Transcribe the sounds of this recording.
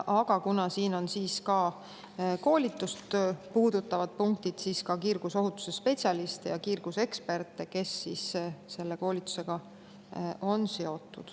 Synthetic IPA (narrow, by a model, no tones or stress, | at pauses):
ʔɑɡ̥ɑkunɑsiːno̞nsiːskɑː | ko̞ːlʲit̪ːˑust̪puːd̪̥ut̪ːˑɑvɑd̪̥̚puŋk̚t̪id̪̥siːskɑkirɡ̥uso̞ɦut̪ːu̥sespe̞tsʲiɑlist̪ejɑkirɡ̥use̞kspe̞rt̪ːˑe̞ke̞sːiːsse̞lːe̞ko̞ːlit̪ːˑu̥se̞ɡ̥ɑ | o̞nse̞o̞t̪ːˑṵd̪̥